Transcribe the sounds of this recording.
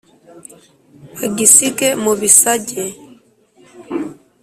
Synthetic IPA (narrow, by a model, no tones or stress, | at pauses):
aɡisikɛmobisaɟɛ